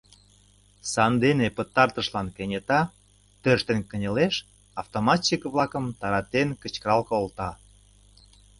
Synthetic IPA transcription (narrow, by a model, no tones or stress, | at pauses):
sɑnd̪enepət̪ːɑrt̪əʃlɑnkenʲet̪ɑ | t̪øʃt̪enkə̆nʲə̆leʃ | ɑft̪omɑt͡ɕːikβlɑkəmt̪ɑɾɑt̪enkət͡ɕkəɾɑlkoolt̪ɑ